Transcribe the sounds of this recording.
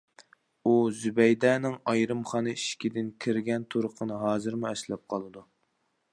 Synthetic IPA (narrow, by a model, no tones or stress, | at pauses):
uzybɛjd̪ɛnɪŋɑjɾɨmχɑːnɨiʃkʲid̪ɪnkʲʰiɾɡʲɛnt̪ʰuɾəqʰənɨɦɑːzɨɾmuɛslɛp̚qʰɑlˠɨd̪u